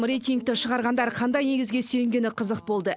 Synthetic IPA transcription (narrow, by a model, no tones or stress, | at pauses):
mrijt̪ʲijŋk̚t̪ɪʃəʁɑɾʁɑnd̪ɑɾqʰɑnd̪ɑjne̞ɡʲɪzɡʲe̞sɵjɪŋɡʲe̞nɪqʰəzəq̚bolˠd̪ə